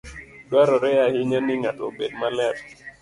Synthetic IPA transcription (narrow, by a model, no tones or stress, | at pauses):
dwaɾɔɾɛahɪɲanɪŋatobed̚malɛt̚